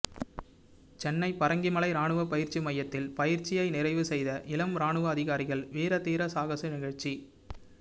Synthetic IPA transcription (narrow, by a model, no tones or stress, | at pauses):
t͡ʃɛnːɐɪpɐɾɐŋɡɪmɐɭɐɪɾaːɳɯʋɐpɐjɪɾt͡ʃimɐjːɐt̪ːɪlpɐjɪɾt͡ʃɪjɐɪnɪɾɐɪʋɯsɛjðɐʔɪlɐmɾaːɳɯʋɐːðɪɣaːɾɪɣɐɭʋeːɾɐt̪iːɾɐsaːɣɐsɯnɪɣɐɻt͡ʃi